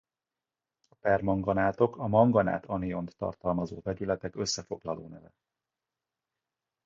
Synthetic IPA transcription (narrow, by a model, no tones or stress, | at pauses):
ɒpɛrmɒŋɡɒnaːt̪o̞kɒmɒŋɡɒna̰ːt̪ɒnijo̞nt̪ːɒ̰rt̪ɒlmɒzoːvɛɟylɛt̪ɛkø̞sːɛfo̞ɡlɒloːnɛvɛ